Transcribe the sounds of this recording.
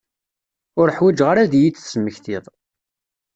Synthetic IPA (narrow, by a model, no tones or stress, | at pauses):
ʊɾəħwid͡ʒʁaɾaðjit͡sːsəmːəçθiðˤ